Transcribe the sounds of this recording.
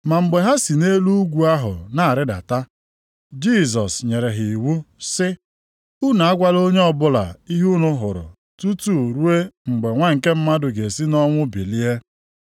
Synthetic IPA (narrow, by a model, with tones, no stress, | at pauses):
ma˨ŋ͡m̩˨ɡ͡be˨ɦa˦si˨ne˦lu˦u˦ɡʷu˨a˦ɦʊ̰˨na˨a˨ɾɪ˦da̰˨ta˦ | d͡ʒi˦˨z̬ɔ˨sɲe˨ɾe˨ɦi˨wu˦sɪ˦ | u˦na˨a˦ɡʷa˦lo˦ɲe˦ɔ˨bʊ˦la̰˨i˦ɦu˦nʊ˦ɦʊ˨ɾʊ̰˨ | tu˦tu˦˨ɾu˦e˦ŋ͡m̩˨ɡ͡be˨ŋʷa˦ŋ̩˨ke˦m̩˦ma˦dʊ˨ɡe˨si˦nɔ˦ŋʷʊ˦bi˨li˦e˦